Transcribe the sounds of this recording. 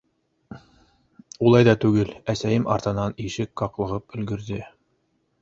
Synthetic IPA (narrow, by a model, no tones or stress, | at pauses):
ulˠɑjðɑt̪ʉɡɘlæsæjɘmʔɑ̰ɾt̪ɤ̆nɑniʃɘkːɑqlˠɤ̆ʁɤp̚ɵ̆lɡɵ̆ɾðɘ